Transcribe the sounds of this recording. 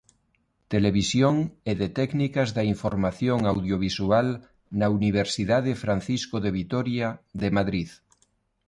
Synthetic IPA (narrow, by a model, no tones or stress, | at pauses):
t̪eleβ̞isjoŋeðet̪ɛknikazðaiɱfoɾmaθjoŋawðjoβ̞isual | nauniβ̞eɾsiðaðefɾanθiskoðeβ̞it̪oɾjaðemaðɾið